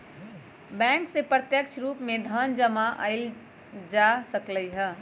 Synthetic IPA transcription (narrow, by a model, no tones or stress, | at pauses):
bɛ̃ːŋksepɾət̪jəkt͡ʃʰɾuːpmẽd̪ʱəːnd͡ʒəmaʔəɪl | d͡ʒaːsəkləiɦɛ̃ː